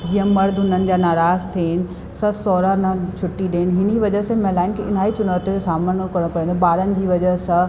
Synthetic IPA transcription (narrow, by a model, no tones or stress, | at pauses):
d͡ʑĩːə̃mɐɾd̪ʱʊnənɪ̆d͡ʑaːnaːɾaːzt̪ʰeːɪnɪ̆ | sɐsɔːɾanɐt͡ɕʰʊʈːiɗeːɪnɪɦɪniʋɐd͡ʑəsẽmɐ̃laːɪnkʰeɪn̤aːit͡ɕʊnaːt̪od͡ʑosaːməɽ̃okɐɾɽ̃opɐɾĩːnd̪oɓaːɾənɪ̆d͡ʑiːʋɐd͡ʑəsɐ̃